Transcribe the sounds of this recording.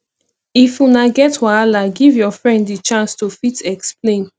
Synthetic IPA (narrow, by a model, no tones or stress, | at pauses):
ifunaɡɛtwaalaɡivjɔfɹɛ̃nddit͡ʃãnstufitɛksplẽn